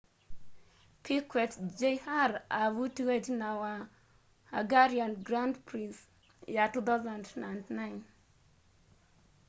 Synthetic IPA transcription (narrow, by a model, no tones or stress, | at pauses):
pʰikwɛtd͡ʒehaɾavutiwetnawa | aɡaɾianɡɾandpɾins | jatut̪azãndnandnaɪn